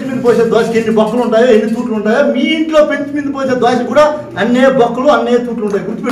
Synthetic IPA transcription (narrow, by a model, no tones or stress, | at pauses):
t͡ʃimind̪upoːseːd̪aːʃikenːibɐkːuluɳʈaːjoːenːit̪uːʈluuɳʈaːjoːmiːɳʈlo̞ːpent͡ʃ̪imind̪upoːseːd̪ʋaːʃɐkuːɽaː | ɐnːeːbɐkːuluɐnːeːt̪uːʈluɳʈaːjiɡuɾt̪ipe